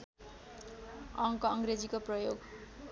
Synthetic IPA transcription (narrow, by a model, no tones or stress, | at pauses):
ʌŋkʌŋɡɾed͡zikoprʌjoɡ